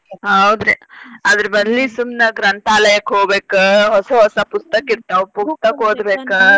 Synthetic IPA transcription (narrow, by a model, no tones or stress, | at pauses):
ɦɐwd̪ɾeɐd̪ɐɾɐbɐd̪lisumnɐɡɾɐnt̪aːlɐjɐkɦoːɡbeːkɐɦɔsɐɦɔsɐpust̪ɐkiɾt̪ːɐʋpust̪ɐkɦoːd̪beːkɐ